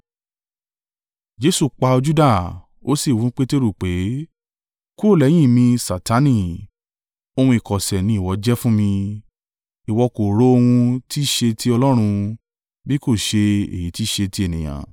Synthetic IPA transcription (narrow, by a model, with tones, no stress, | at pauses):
d͡ʒe˧˦su˦˨k͡pa˧o˧d͡ʒu˦da˦˨ | o˦si˦˨wu˨˦k͡pe˦te˦ɾu˦˨k͡pe˨˦ | ku˦o˦˨lɛ˨˦j̃ĩ˦˨mĩ˧sa˨ta˨˦nĩ˦˧˨ | o˧hũ˧i˨kɔ˨sɛ˨nĩ˨˦i˦˨wɔ˨˦d͡ʒɛ˦fũ˦mĩ˧ | i˨wɔ˧ko˨ɾo˦o˧hũ˧tʰi˦˨ʃe˧ti˦ɔ˧lɔ˦ɾ̃ũ˧ | bi˦ko˦˨ʃe˧ḛ˨ji˨˦ti˦˨ʃe˧ti˧˦e˦˨nĩ˨j̃ã̰˨